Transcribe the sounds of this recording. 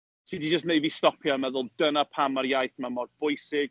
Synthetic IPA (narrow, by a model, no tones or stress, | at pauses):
sidid͡ʒəs̬tnejvistɔpʰjamɛðʊlˠdənapʰamaɾjajθmamɔrbʊjsɪɡ̥̚